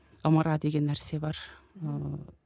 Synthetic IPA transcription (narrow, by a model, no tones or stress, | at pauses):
ɑmɑɾɑd̪eɡʲenːæɾsebɑɾ